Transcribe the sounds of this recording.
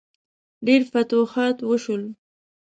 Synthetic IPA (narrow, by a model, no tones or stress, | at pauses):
ɖeɾfat̪oxɑt̪wəʃul